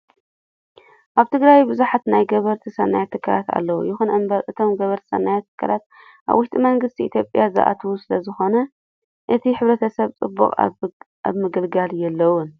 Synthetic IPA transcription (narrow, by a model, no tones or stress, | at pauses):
ʔaβt̪ʰɨɡɾajbɨzuħat̪najɡɐβɐɾt̪ʰisɐnːajat̪ʰːɨkʰːalat̪a̰lːɐwṵjɪxunʔɨmbɐɾʔɨt̪ʰo̞mɡɐβɐɾt̪ʰi̥sɐ̰nːajat̪ʰːɨ̥kʰːalat̪̚ | ʔa̰βwːʊʃt̪ʼimɐŋɡɨst̪ʰiʔit̪ʰjo̞pʼjaza̰ʔa̰t̪ʰuwusɨlɐzɨxo̞nɐ | ʔɨt̪ʰiħɨβɾɐt̪ʰɐsɐβt͡sʼɨbːṵqʼ | a̰βmɨɡɨlɡaljɛlːɐwʊn